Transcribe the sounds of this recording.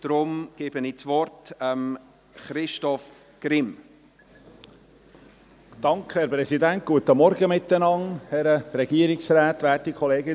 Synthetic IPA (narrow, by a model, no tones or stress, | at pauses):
d̥ɾʊmɡ̥ɪːb̥ənit͡svɔrtəm | χɾɪʃtɔf | ɡ̥ɾɪm | d̥ɑŋkʰχəhɛɾpɾɛsidænt̚ɡ̥uət̪əmɔɾɡəmɪt̪ːənɑŋhɛɾəɾɛɡ̥iːɾɪksɾæːt̪ʋæːtikʰχɔleːɡə